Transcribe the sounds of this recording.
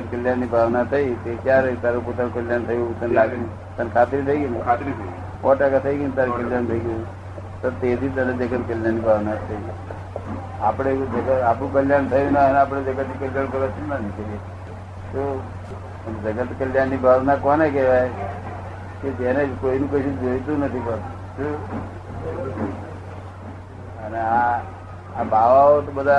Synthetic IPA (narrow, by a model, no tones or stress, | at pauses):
əət̪̚kəljaːnːibʱaːʋnat̪ʰəit̪ekjaːɾet̪aːɾep̬ot̪anũkəljaːnt̪ʰəjũsənlaːɡnĩ | t̪ənkʰaːt̪ɾit̪ʰəiɡinat̪ʰ | kɔ̃ːʈakat̪ʰəiɡint̪aːɾekəljaːnt̪ʰəiɡji | t̪ot̪eːt̪iːt̪ənẽd͡ʒəɡət̪kəljaːnːiːbʱaːʋnat̪ʰəiː | aːpɽed͡ʒəɡəaːpɽũkəljaːnt̪ʰəjunanaːp̬ɽed͡ʒəɡət̪nikəljaːnkəɾʋat͡ʃʰinanikəe | t̪o | ənd͡ʒəɡət̪kəljanːibʱaʋnakɔnek̬ɛʋaj | ked͡ʒenekoinũkəʃũd͡ʒoit̪ũnət̪ʰipət̪u | t͡ʃu | əneaː | baʋaot̪obəd̪ʱa